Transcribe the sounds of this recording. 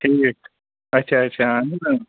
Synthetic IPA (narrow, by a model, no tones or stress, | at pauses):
ʈʰik | ɐtːɕʰaɐtːɕʰana